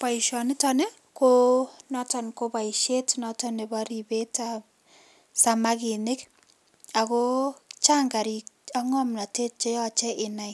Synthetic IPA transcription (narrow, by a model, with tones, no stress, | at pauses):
pa˨iʃɔ˨nɪ˦tɔ˦nɛ˦ | konɔta˨nko˦ba˨i˨ʃe˦tnɔtɔne˨ba˦ɾi˨be˦ta˨p | sa˨ma˦ki˨nɪ˦k | a˨ko˦t͡ʃa˦ŋɡa˨ɾi˨a˦ŋɔ˦mla˨te˦t̚t͡ʃe˦jɔ˦t͡ʃɛ˦ʔɪ˨na˨j